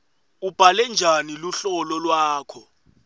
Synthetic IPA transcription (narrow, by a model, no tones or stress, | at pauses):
ub̥ʱalɛnd͡ʒʱaniluɬɔlɔlwaːkʰɔ